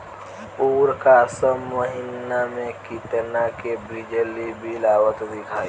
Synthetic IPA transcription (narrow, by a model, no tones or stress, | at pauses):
puːɾkasəmːəɦɪnamẽkɪt̪nakebid͡ʒəlibʱilaːwət̪d̪ɪkʰaːi